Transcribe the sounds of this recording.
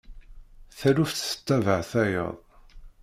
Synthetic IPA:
θælufθsə̥t͡sːævəʕθæjə̰ðˤ

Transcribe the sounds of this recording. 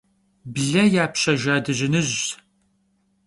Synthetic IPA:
bɮɐjaːpʰɕɐʒaːdɨʑɪnɨʑ

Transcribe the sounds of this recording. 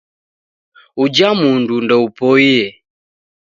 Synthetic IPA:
ud͡ʒamundundɛupɔiɛ

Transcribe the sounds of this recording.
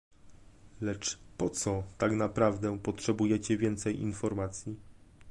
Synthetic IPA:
lɛt͡ʂpɔt̪sɔt̪aknapɾavd̪ɛpɔtʂɛbujɛt͡ɕɛvʲjɛnt̪sɛjʔḭnfɔɾmat̪sʲji

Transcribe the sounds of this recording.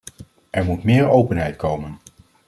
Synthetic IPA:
ʔɛɹmutmɪːɹowpənɦɛjtkʰowmən

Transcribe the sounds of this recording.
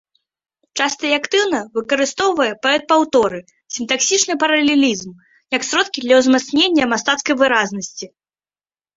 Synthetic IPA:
t͡ʂast̪ɐiakt̪ɨwnɐvɨkɐɾɨst̪ɔwvɐjɛpaɛt̪̚pawt̪ɔɾɨ | sʲint̪aksʲit͡ʂnɨpɐɾɐlʲelʲizm | jɐksʲɾɔt̪kʲid̪lʲɐwzmat̪snʲenʲːɐmast̪at̪skɐjvɨɾaznɐsʲt͡sʲi

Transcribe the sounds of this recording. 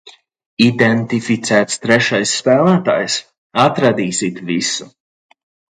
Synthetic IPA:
id̪ɛnt̪ifit̪sʲæːt̪st̪ɾɛʃajsːpæːlˠæːt̪a̰ːjs | at̪ɾad̪iːsit̪visu̥

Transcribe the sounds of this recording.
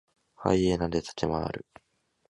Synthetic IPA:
ha̰ienad̪et̪ḁt͡ɕima̰ːɾɯ̟

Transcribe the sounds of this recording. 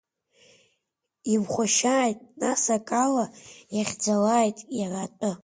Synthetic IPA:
imχʷaʃaːjtʼnasakʼalajaχʲd͡zalajtʼjaratʼɨ

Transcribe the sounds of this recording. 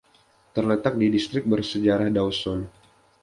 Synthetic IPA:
t̪ərlət̪ak̚didist̪ɾɪk̚bərsəd͡ʒaɾahdawsɔn

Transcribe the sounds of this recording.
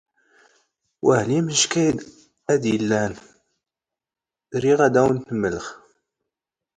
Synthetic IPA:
wʔæhliməʃkæjd̪ | æd̪jəlːæn | ɾiʁæd̪æwənt̪əmːələχ

